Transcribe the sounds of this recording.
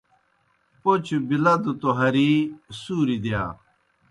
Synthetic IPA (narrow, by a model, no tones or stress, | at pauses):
pot͡ɕʰubilɐd̪ut̪oɦɐɾisuːɾid̪jaː